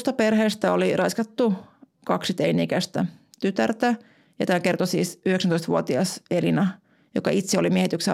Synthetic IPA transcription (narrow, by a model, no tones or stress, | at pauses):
st̪ɑperheːst̪æolirɑiskɑt̪ːukɑksit̪einiːkæst̪æ̰t̪yt̪ært̪æ | jɑt̪æːkert̪osiːsyheksnt̪oist̪ʋuot̪iɑselinɑ | jokɑ̰it̪seolimiehet̪ykse